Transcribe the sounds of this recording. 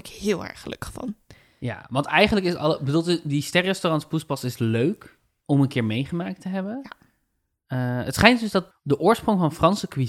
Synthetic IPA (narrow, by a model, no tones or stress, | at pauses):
ɪkhɪːlˠɛ̰ɹχəlɵ̰kχfɑ̰n | ja̰ːʋɑntɛjχənləkɪsətɑlbəduːlˠdistɛrɛstorɑntspuspɑsɪsløɥk | ɔmənkɪːɹmejχəmaːk̚təɦɛbən | əətsχɛjntdɵsdɑt̚ | dəʔʊːɹsprɔŋvɑnfrɑnsəkʋi